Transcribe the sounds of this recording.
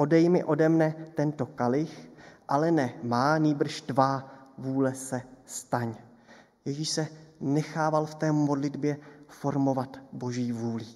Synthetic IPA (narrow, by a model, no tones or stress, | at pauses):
ʔo̞dɛjmɪʔo̞dɛmnɛt̪ɛnt̪o̞kalɪxʔalɛnɛmaːniːbr̩ʃdvavuːlɛsɛst̪aɲ | jɛʒiʃsɛnɛxaːvalft̪ɛːmo̞dlɪdbjɛfo̞ɾmo̞vat̪bo̞ʒiːvuːlɪ